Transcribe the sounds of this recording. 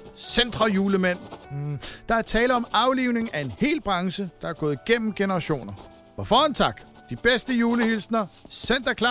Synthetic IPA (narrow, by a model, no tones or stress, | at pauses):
send̥ʁɐjuːləmen̰ | d̥ɑ̈æɐt͡sʰɛːləɒ̽mɑ̈ʊliʊne̝ŋæe̝nhe̝̰ːlb̥ʁɑ̈ŋɕəd̥ɑ̈æɐɡ̥ɔ̽ːð̞̩ˠɡ̥en̰m̩ɡ̥enəʁɑɕo̝̰ːnɐ | ɒ̽fɒːhɒnt͡sʰɑ̈ɡ̥ | d̥ib̥esd̥əjuːləhilsnɐsen̰d̥ɐkʰlɑ